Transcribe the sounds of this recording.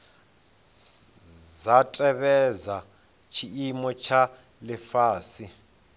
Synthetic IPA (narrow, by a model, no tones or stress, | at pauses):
zatʼɛβɛza | t͡ʃʰiimɔt͡ʃʰa | lɛfaːsi